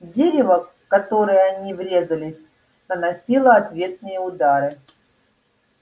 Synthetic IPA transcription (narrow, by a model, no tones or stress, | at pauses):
dʲeɾʲɪvə | kɐt̪o̞ɾɨjəɐnʲivɾʲe̞zəlʲɪsʲ | nənɐsʲilˠəɐt̪vʲe̞t̪̚nɨjəʊd̪aɾɨ